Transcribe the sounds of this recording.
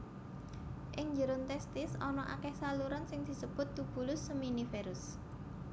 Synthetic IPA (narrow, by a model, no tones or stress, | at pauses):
ʔɪŋɲd͡ʒəɾʊnt̪ɛst̪ɪsɔnɔʔa̰kɛhsaluɾɔnsɪŋd̪̥i̤səb̥ʊ̤t̪̚d̪ub̥ṳlʊsːuminifeɾʊs